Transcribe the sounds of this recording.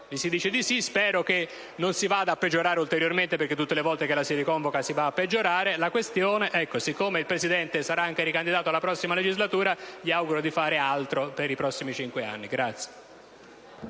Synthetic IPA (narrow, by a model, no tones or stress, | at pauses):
lisid̪iːt͡ʃed̪isispɛːɾoke | nonsivad̪aːpːed͡ʒːoɾaːɾeult̪eɾjorment̪epeɾrk̟et̪ːut̪ːelevɔlt̪ekelasirikɔɱvokasivaːpːed͡ʒːoɾaːɾelakwest̪joːneʔɛkːosikːoːmeilpɾesid̪ɛnt̪esaɾaaŋk̟eɾikand̪id̪aːt̪oalːapɾɔsːimaled͡ʒizlat̪uːɾaʎiawɡuɾod̪ifaːɾealt̪ɾopeɾipɾɔsːimit͡ʃiŋkwea̰nːiɡɾat̪sːje̥